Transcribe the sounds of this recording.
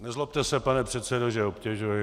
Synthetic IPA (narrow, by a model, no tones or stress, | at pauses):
nɛzlop̚t̪ɛsɛpanɛpr̝̥ɛt̪sɛdoʒɛopcʲɛʒujɪ